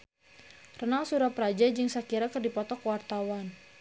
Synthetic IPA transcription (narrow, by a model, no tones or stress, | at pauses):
rənalsuɾapɾad͡ʒad͡ʒɨŋsakiɾakərdipɔt̪ɔkwart̪awan